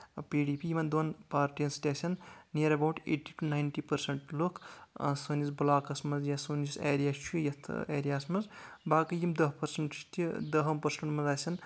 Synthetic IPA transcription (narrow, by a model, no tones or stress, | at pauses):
piːɖiːpijimɐnd̪onpaːɾʈijɐnsʈ̪ʲesʲɐnːiɐɾɐbawʈḛːʈiːʈunajnʈipɐɾsɐɳʈlokʰsonisbulaːkɐsmɐzjasonisḛːɾijaːst͡ʃʰujɐt̪ʰeːɾijaːsmɐzbaːkɐjimd̪ɐɦpɐɾsɐɳʈt̪id̪ɐɦɐmpɐɾsɐɳʈmɐzaːsʲɐn